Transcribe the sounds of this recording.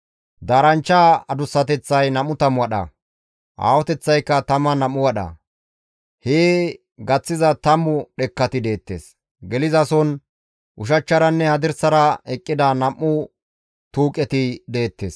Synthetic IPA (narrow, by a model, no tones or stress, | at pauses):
d̪aːɾɐnt͡ʃːaːɐd̪ʊsːɐt̪ɛt͡sːɐjnɐmːʊt̪ɐmʊwɐɗɐ̰ | ʔa̰ːwɔt̪ɛt͡sːɐjkːɐt̪ɐmɐnɐmːʊwɐɗɐ̰ | heː | ɡɐt͡sːɪzɐt̪ɐmːʊɗɛkːɐt̪ɪd̪e̞ːt̪ːḛːs | ɡɛlɪzɐsɔn | ʔʊʃ̬ɐt͡ʃːɐɾɐnːɛhɐd̪ɪɾsɐɾɐɛkʼːɪd̪ɐnɐmːʊ | t̪uːkʼːɛt̪ɪd̪e̞ːt̪ːeːs